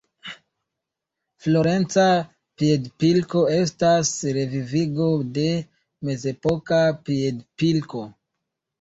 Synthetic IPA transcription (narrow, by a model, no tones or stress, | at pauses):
flo̞ɾe̞nt͡sa | piedpilko̞e̞stasɾe̞viviɡo̞de̞ | me̞ze̞po̞kapiedpilko̞